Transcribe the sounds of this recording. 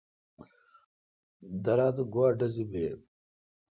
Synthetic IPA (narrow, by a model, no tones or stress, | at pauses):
d̪ɐɾaːt̪uɡwaːɖɐzibeː